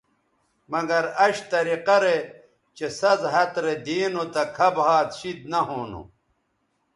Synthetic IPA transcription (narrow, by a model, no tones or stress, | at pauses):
mɐɡɐɾɐɕt̪ɐɾiqɐɾe | t͡ɕesɐzɦɐt̪ɾed̪iːnot̪ɐkʰɐbhaːt̪ɕid̪nɐɦoːnṵ